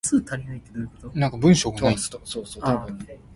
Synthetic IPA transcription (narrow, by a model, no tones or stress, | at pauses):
sɨːt̪ʰaɾʲinait̪ːed̪ojkot̪onãŋkabɯ̟̃ɰ̃ɕoːɡanai̥soːsoɯ